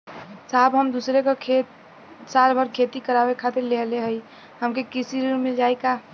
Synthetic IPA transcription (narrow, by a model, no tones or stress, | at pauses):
saɦbɦəmd̪usɾekekʰet̪ | saɾbʱəɾkʰet̪ikəɾabekʰat̪iɾleɦleɦəj | ɦəmkekisiɾmeld͡ʒajka